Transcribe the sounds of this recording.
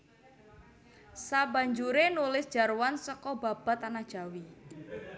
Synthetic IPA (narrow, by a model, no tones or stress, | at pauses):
saba̤ɲd͡ʒuɾenulɪsd̥ʒ̥a̤rwansɔkɔba̤b̥a̤t̪anad̥ʒ̥a̤wi